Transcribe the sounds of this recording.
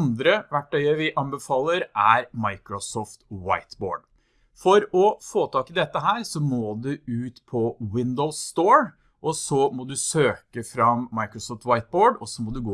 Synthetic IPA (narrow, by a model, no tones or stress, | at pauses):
nd̪ɾəʋæʈːœʏəʋɪʔɑmbəfɑːlːəɾʔæɾmɑɪkɾʊsɔːft̪wa̰ɪt̪bo̰ːɖ | fɔɾɔfoːt̪ʰɑːkɪd̪ɛt̪ːəɦæːɾsɔmoːd̪ʉʉːt̪pʰɔwɪnd̪əlst̪oːɹ | ʔɔsɔmɔd̪ʉsøːkəfɾɑmːɑɪkɾɔsɔːft̪wɑɪt̪̚boːɖɔsːɔmɔd̪ʉɡoː